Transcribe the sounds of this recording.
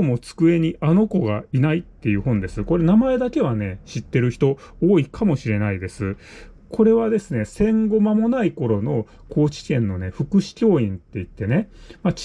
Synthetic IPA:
omo̞t͡sɨ̥kɯ̟e̞ɲ̟iʔano̞ko̞ɡainait̪ːe̞jɯ̟ːɦõ̞nd̪e̞sɨko̞ɾe̞namae̞d̪ake̞β̞ane̞ɕit̪ːe̞ɾɯ̟çi̥t̪o̞oːikʰamo̞ɕiɾe̞naid̪e̞sɨ | kʰo̞ɾe̞βad̪e̞sɨne̞sẽ̞ŋɡo̞mamo̞naiko̞ɾo̞no̞ | kʰo̞ːt͡ɕi̥kẽ̞nːo̞ne̞ɸɯ̟kɯ̟ɕi̥kʲo̞ːĩnt̪e̞it̪ːe̞ne̞mat͡ɕ

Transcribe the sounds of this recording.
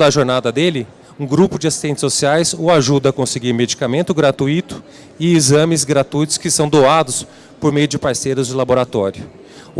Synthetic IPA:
d̪ɐʒoɾnad̪ɐd̪elɪ | ũɡɾupʊd͡ʒɪasi̥st̪ẽnt͡ʃɪ̥sosiajsʊaʒud̪ɐːkõseɡiɾmed͡ʒikamẽnt̪ʊɡɾat̪uit̪ʊ̥ | ɪːzɐ̃mɪzɡɾat̪ujt̪ʊ̥skɪsɐ̃w̃d̪owad̪ʊs | poɾmejʊd͡ʒɪpaɾsejɾʊzd͡ʒɪlaboɾat̪ɔɾjʊ

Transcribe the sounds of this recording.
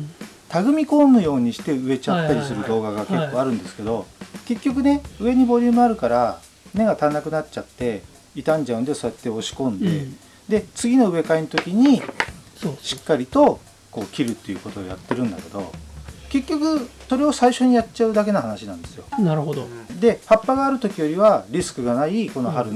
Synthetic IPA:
t̪aɡɯ̟mʲiko̞ːmɯ̟jo̞ːɲ̟iɕi̥t̪e̞ɯ̟e̞t͡ɕat̪ːaɾʲisɨɾɯ̟d̪o̞ːɡaɡake̞kːo̞ːaɾɯ̟̃nd̪e̞sɨ̥ke̞d̪o̞ke̞kʲːo̞k̬ɯ̟ne̞ɯ̟e̞ɲ̟ibo̞ɾʲɯːmɯ̟aɾɯ̟kaɾa | ne̞ɡat̪anakɯnatt͡ɕat̪ːe̞ | it̪ãɲ̟d͡ʑaɯ̟nd̪eso̞at̪ːe̞o̞ɕi̥kõ̞nd̪e | d̪e̞t͡sɨɡʲino̞ɯ̟e̞kainot̪o̞kʲiɲ̟i | ɕi̥kːaɾʲit̪o̞ | ko̞ːkʲiɾɯ̟t̪ːe̞jiɯ̟ːko̞t̪o̞̰ːja̰t̪ːe̞ɾɯ̟̃nd̪a̰ke̞d̪o̞̰ke̞kʲːo̞kɯ̟so̞ɾe̞osaiɕo̞ɲ̟ijat͡ɕaɯd̪ak̬e̞nahanaɕinãnd̪e̞̥sɨjo̞̰naɾod̪od̪e̞hapːaɡaːɾɯ̟t̪o̞kʲijo̞ɾʲiβaɾʲisɨ̥kɯ̟ɡanaiko̞no̞ɦaɾɯ

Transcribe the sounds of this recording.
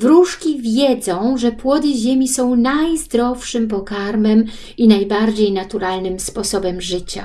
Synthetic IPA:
vɾuʂkʲivʲjɛd̪zɔ̃w̃ʐɛpwɔd̪ɘʑemʲisɔ̃w̃najzd̪ɾɔfʂɘmp̬ɔkaɾmɛm | inajbaɾd͡ʑejnat̪uɾalnɘmspɔsɔbɛmʐɘt͡ɕa̰

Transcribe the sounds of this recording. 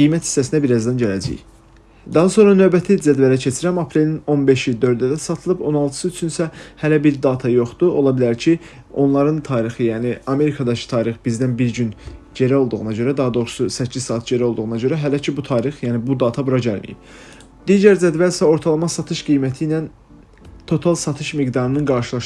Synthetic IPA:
ɡijmæt̪ʰi̥sːæsind̪æbiɾɑzd̪ænɟælæ̰d͡ʒḭj | d̪ɑɦɑso̞nɾɑnø̞vbæt̪ʰid͡ʒæd̪vælæcʰe̞t͡ʃʰiɾæmɑpʰɾe̞lino̞nbe̞ʃjild̪ø̞ɾd̪yd̪æsɑt̪ʰɯlˠɯbo̞nɑlˠt̪ʰɯ̥sɯyt͡ʃʰynsæhælæbiɾd̪ɑːt̪ʰɑjo̞χd̪uo̞lˠɑbilæɾcʰi | o̞nlˠɑɾɯnt̪ʰɑːɾixɯjæːniɑme̞ɾikʰɑd̪ɑcʰi̥t̪ʰɑːɾiχbizd̪ænbiɾɟynd͡ʒe̞ɾæo̞lˠd̪uɣunɑɟø̞ɾæd̪ɑɦɑd̪o̞ɣɾsusɛcʰːizsɑːt̪̚ʰɟe̞ɾæo̞lˠd̪uɣunɑɟø̞ɾæɦælæcʰibut̪ʰɑːɾixjæːnibud̪ɑːt̪ʰɑbuɾɑɟælmḭjḭb̥ | d̪iːɟæɾzæd̪vælsæo̞ɾt̪ʰɑlˠɑmɑsɑt̪ʰɯʃɡ̥ijmæt̪ʰijnæn | t̪ʰo̞t̪ʰɑlˠsɑt̪ʰɯʃmiɡd̪ɑɾɯnɯnɡɑɾʃɯlˠɑʃ

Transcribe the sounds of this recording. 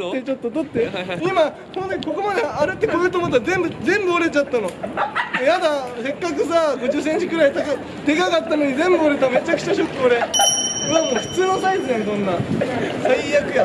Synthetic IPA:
t̪ːet͡ɕo̞t̪ːot̪o̞t̪ːe̞ima | sonsekʲiko̞ko̞mad̪eaɾet̪ːekobet̪omot̪̬ːaɾzẽ̞mbɯ̟zẽ̞mbɯoɾe̞t͡ɕat̪ːano̞ | jad̪ase̞kːakɯ̟s̬aɡo̞ʑɨːs̬eɲ̟t͡ɕikɯ̟ɾait̪aka | d̪e̞ɡaɡat̪ːanoɲ̟izẽ̞mbɯoɾe̞t̪ame̞t͡ɕakɯ̟t͡ɕaɕokʲːioɾe̞oɾeamo̞ːɸɯ̟̥t͡sɨːnosaizɨend̪õ̞nːasaiakɯ̟ja

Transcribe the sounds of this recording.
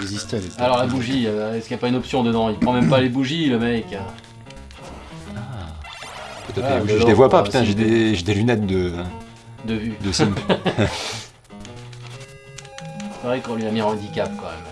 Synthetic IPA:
ɛzist̪alɔʁlabuʒiɛskiapaynɔpsjɔ̃d̪əd̪ɑ̃ilpχɑ̃mɛmpalebuʒiləmɛk | a | pət̪ɛt̪kbuʒʒd̪evwapapyt̪ɛ̃ʒed̪eʒed̪elynɛt̪̚d̪ə̃ | d̪əvyd̪əsĩmp | sevʁɛkɔ̃lɥiamiɑ̃ɑ̃d̪ikap̚kɑ̃mɛ̰m

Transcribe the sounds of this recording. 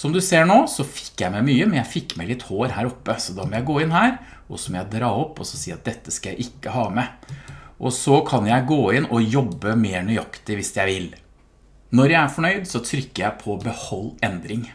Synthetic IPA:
sɔmd̪ʉseːɳoːsɔfɪ̥kːjæɪmɛmyːəmɛnjæɪfɪkːmæɪlɪt̪hoːɾhæːɾɔpːəsɔd̪ɑmɔjæɪɡoːɪnhæːɾ | ʔɔsɔmɔjæɪd̪ɾɑːɔpːɔsɔsiːɑt̪̚d̪ɛt̪ːəskɑjæɪʔɪkːəhɑːmɛ | ʔɔsɔkʰɑnjæɪɡoːɪnɔjɔbːəmeːɳœʏɑkt̪ɪʋɪsjæɪʋɪl | nɔɾjæɪæɾfɔɳœʏd̪sɔt̪ʰɾʏkːəjæɪpʰɔbəhɔlːɛnd̪ɾɪŋ

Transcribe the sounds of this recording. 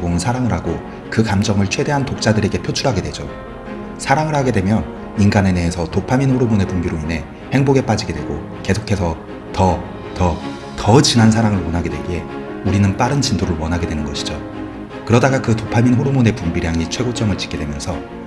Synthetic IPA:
boŋɯnsʰaɾaŋɯɾɦaɡo | kɯkamd͡ʑʌŋɯɭt͡ɕʰwe̞de̞ɦantok̚t͡ɕ͈adɯɾe̞ɡe̞pʰjot͡ɕʰuɾɦaɡe̞dwe̞d͡ʑo | sʰaɾaŋɯɭɦaɡe̞dwe̞mjʌn | inɡane̞ne̞ːsʰʌtopʰaminɸoɾumone̞pumbiɾoine̞ | he̞ŋboɡe̞p͈ad͡ʑiɡe̞dwe̞ɡo̰ | ke̞sʰokʰe̞sʰʌ | tʌ | tʌ | tʌt͡ɕinɦansʰaɾaŋɯɭwʌnɦaɡe̞dwe̞ɡe̞ | uɾinɯnp͈aɾɯnt͡ɕindoɾɯɭwʌnɦaɡe̞dwe̞nɯnɡʌɕʰi̥d͡ʑo | kɯɾʌdaɡakɯtopʰaminɸoɾumone̞pumbiɾjaŋit͡ɕʰwe̞ɡot͡ɕ͈ʌŋɯɭt͡ɕi̥k͈ːe̞dwemjʌnsʰʌ

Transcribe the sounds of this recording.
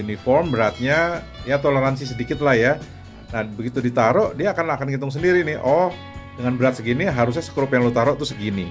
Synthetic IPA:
unifɔrmbəɾat̪̚ɲa | jat̪oləɾansis̬ədikɪt̪lahja | nahbəɡit̪udit̪aɾɔʔdiaːkanakanɡit̪ʊŋs̬əndiɾinɪhʔɔh | dəŋanbəɾat̪̚səɡiniɦaɾus̬ɲasə̥kəɾʊpjaŋlot̪aɾɔʔt̪ʊsəɡini

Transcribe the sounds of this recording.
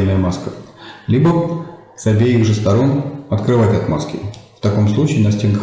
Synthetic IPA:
nəjəmaskəlʲibə | sɐbʲejiɣʐɨst̪ɐɾo̞nɐt̪kɾɨvatʲɐt̪ma̰skʲɪ̰ft̪ɐko̞mslˠut͡ɕɪɪnɐsʲtʲenkə

